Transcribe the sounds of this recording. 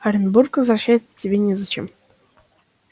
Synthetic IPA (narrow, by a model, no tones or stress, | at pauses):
ɐɾʲɪnburkvəzrɐɕːæjɪt̪sətʲɪbʲenʲɪzɐt͡ɕem